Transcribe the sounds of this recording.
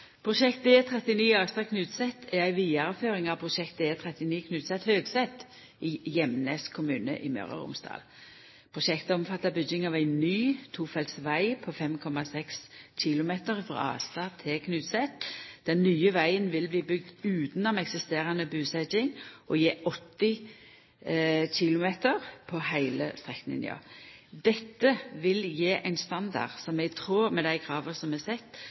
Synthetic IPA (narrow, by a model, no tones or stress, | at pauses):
pʰɾʊʃɛkt̪̚d̪eːt̪ʰʁɛt̪ɪniːɑɡst̪ɑkʰnʉːt̪sɛt̪ʰːææɪʋiːɑɾəføːɾɪŋɑʋpʰɾʊʃɛk̚t̪̚d̪eːt̪ʰɾɛt̪ɪniːkʰnʉːt̪sɛt̪høːɡsɛt̪ː | ɪjɛmneːskʰʊmʉːnə̰ʔɪmœ̰ɾə̰ʁʊ̰msd̪ɑ̰ːl | pʰɾʊʃɛkt̪əɔmfɑt̪ːɑbʏd͡ʒɪŋɑʋæɪnyːt̪ʰuːfɛlt̪sʋæɪpʰofɛmkʰɔmɑsɛksc͡çɪlʊmeːt̪əɾfʁɑ̰ɑ̰ːst̪ɑt̪ʰɛkʰnʉːt̪sɛt̪d̪̥ɛnːyːəʋæɪənʋɪlbliːbʏɡ̚d̪ʉːt̪nɔmɛksɪst̪eːɾɑnəbʉːsɛd͡ʒɪŋʔɔjeːʔɔt̪ːɪ | çɪlʊmeːt̪əɾpʰɔhæɪləst̪ʁɛk̪nɪ̰nɪ̰ɑ̰d̪ɛt̪ːəʋɪljeːʔæɪnst̪ɑnd̪ɑ̰ʁsɔmɛɡt̪ʰɾuːɾmɛd̪æɪkʰɾɑːʋəsɔmɛsɛt̪ː